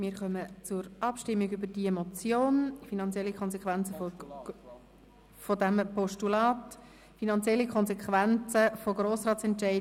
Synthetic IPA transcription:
mɪːɾχœmət͡sʊɾʔɑpʃtɪmːiɡybəɾd̥iemot͡sjoːnfinɑnt͡sjɛlːikʰɔnsɛkχʋænt͡səfo | fodæmpɔʃtulɑːt | finɑnt͡sjɛlːikʰχɔnzɛkχʋænt͡səfoɡɾoːsɾɑːt͡sɛntʃɛɪ

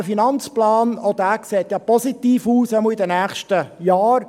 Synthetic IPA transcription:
əfinɑnt͡splɑːnɔd̪æːkseːt̪jɑpɔsit̪iːfuːsɛməidənæːχʃtəjɑːɾ

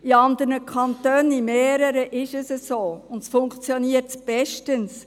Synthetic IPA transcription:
iɑnd̪ərnəkʰχɑnt̪øːnimeːɾəɾəʔɪʃəsəsoːʊnd̪əsfʊŋkt͡sjoniətb̥ɛʃtəns

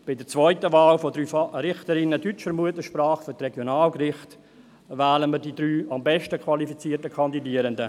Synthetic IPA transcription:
b̥ɪdəɾt͡svɔʏtəvaːlfɔdɾyːfrɪχtəɾɪnədyt͡ʃfəɾmuətəʃpraːχfʏɾtrɛɡjonaːlkrɪχt | vaːləmədidɾyːɑmbɛʃtəkʰvɑlifit͡siːərtəkʰɑndidiːəɾəndə

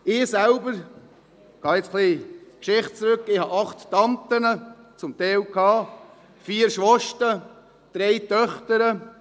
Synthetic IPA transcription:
ɪsælbəɾ | ɡ̥ɑːɪt͡sχliːkʃɪχt̚t͡sɾɵkːɪhɑʔɑχt̪ːɑnt̪ənət͡sʊmt̪ɛɪlkʰɑː | fiːəɾʃʋɔʃtə | d̥ɾejt̪œχt̪əɾə

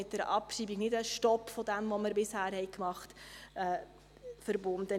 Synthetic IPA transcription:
ɪt̚dɛɾʔɑpʃiːbiɡnɪdəʃtɔpfɔd̪ɛmʋɔməɾbɪshæːɾhɛɪkmɑχtɛː | fəɾbʊndə

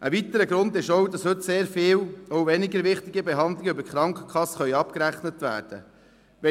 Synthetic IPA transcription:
ʔəʋit̪əɾəɡɾʊndɪʃowdɑshɵtseːɾfɪːwowvɛnɪɡəɾʋɪχtɪɡibeɦɑndlɪɡybəɾkχɾɑŋkχə̥kʰχɑsːχœʏɑpkɾæχnətʋæ̰ːɾd̥ə̰ | ʋɛ

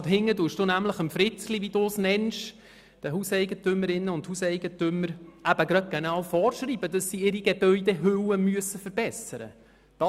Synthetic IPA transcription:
tɦɪŋːəduːʃd̥unæmləχəmfɾɪt͡sliʋid̥̪usnɛnʃ | d̥əɦusɛjɡətʏmːəɾɪnːəʊnthusɛɪɡ̥ətʏmːəɾæb̥əɡɾɑt̪̚ɡ̥enɑwfɔːɾʃɾiːbədɑsːiɪɾiɡeb̥œʏdɛɦɵwəmyəsːəfəɾbɛsəɾə̰ | d̥ɑ

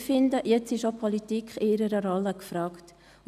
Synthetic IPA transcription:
fɪnd̪əjɛt͡sɪʃopʰɔlitikχɪɪɾəɾəɾɔlːəkfɾɑːkt

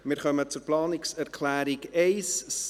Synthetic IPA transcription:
mɪːɾχœmət͡sʊɾplɑːnɪksɛɾkʰlæːɾiɡeɪs

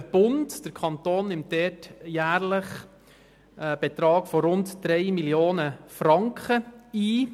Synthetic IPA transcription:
b̥ʊntd̥əɾkʰɑnt̪oːnːɪmtdɛtjæːɾləχ | b̥et̪ɾɑːɡ̥fɔɾʊntd̥ɾɛɪmiljoːnəfɾɑŋkχəiː

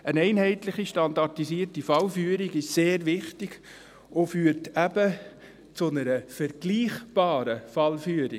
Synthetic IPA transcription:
ənɛɪnhɛɪtlɪχiʃtɑndɑrtisiːərtifɑlfyːəɾiɡɪʃseːɾʋɪχtiɡ̥ | ofyːəɾtʰæbə | t͡sʊnəɾəfəɾɡ̥liːχb̥ɑːɾəfɑlfyːəɾi

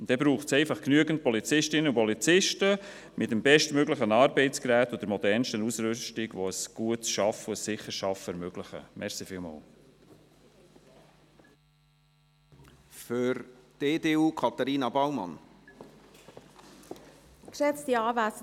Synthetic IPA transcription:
ntd̥̪ɛbɾuːχtsɛɪfɑχknyəɡənt̚pɔlit͡sɪʃtɪnəupɔlit͡sɪʃtə | mɪtəmbɛʃtmøɡləχənɑːɾbɛɪtt͡skɾæːtʊd̥̪əɾmɔdɛɾnsʃtənusɾʏstɪɡvoəsɡ̥uətʃɑfʊəsːɪχːəɾʃɑfɛɾmøɡ̥lɪχə̰mɛɾsifɪːlmɑ̰ːl | fʏɾd̥eːdeːuːkʰɑt̪ɑɾiːnɑbawmɑ̰n | kʃɛt͡stiɑːvæs

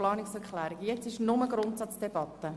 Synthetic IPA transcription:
lɑːnɪksɛɾkʰlæːɾɪɡjɛt͡sɪʃnʊməɡɾʊntsɑt͡sd̥ɛb̥ɑt̪ːə

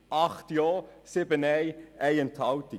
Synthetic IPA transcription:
ʔɑχtjɔːsɪbənɛɪæɪəntʰhɑwti

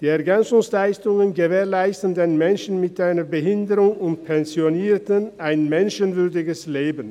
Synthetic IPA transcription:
d̥iːɛɐɡɛnt͡sʊŋslaɪstʊŋənɡəveːɐlaɪstən̩deːnmɛnʃn̩mɪtʔaɪnɐbəɦɪndəʁʊŋʊntpʰɛnzjoniːɐtənaɪnmɛnʃənvʏɐdɪɡəsleːbən̩

